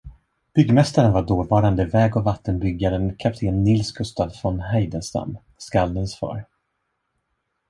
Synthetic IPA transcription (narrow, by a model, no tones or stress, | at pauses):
b̥ʏɡːmɛst̪aɾənvaɖoːɾvɑːɾand̪əvɛːɡɔvat̪ʰːənbʏɡːaɾənkʰap̚t̪ʰeːnːɪlskʰɵst̪aːd̪fɾɔnɦɛjd̪ənst̪a̰m | skald̪ənsfɑ̰ːɾ